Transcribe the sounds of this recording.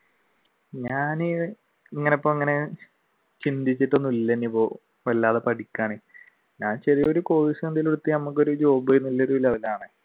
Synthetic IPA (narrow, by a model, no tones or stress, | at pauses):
ɲaːni | iŋːɐneopːomiŋːɐne̞ | t͡ɕind̪it͡ɕːiʈːonːuilːenːeipːo̞ː | ʋɐlːaːðepɐʈikʲːaːɳi | ɲaːnt͡ɕɐrijo̞ɾuko̞ːɻisɐnd̪iloɽut̪ːinɐmːukːo̞ɾud͡ʑo̞ːbejinːulːeɾuʋilːɐʋilːaːɳɨ